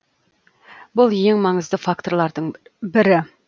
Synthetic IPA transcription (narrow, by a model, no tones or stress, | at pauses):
bʊlˠje̞ŋmɑɴəzd̪əfak̚t̪o̞ɾlˠɑɾd̪əɴbɪɾɪ